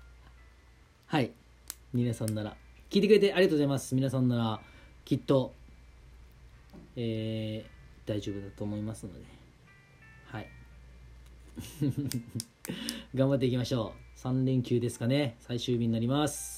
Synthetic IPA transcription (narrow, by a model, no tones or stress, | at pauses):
hai | mʲinasãnːaɾa̰kʲiːt̪ekɯɾe̞t̪e̞ʔaɾʲiatoːzaimasɨ̥mʲinasãnːaɾakʲit̪ːo̞ | eː | d̪̥aiʑo̞ːbɯ̟d̪at̪o̞ːmo̞imasɨno̞̰d̪e̞ | hai | ɡãmbat̪̬ːeikʲimaɕo̞ːsãnɾẽ̞ŋkʲɨːd̪e̞sɨ̥kane̞saiɕɨːbʲiɲ̟inaɾʲimasɨ̥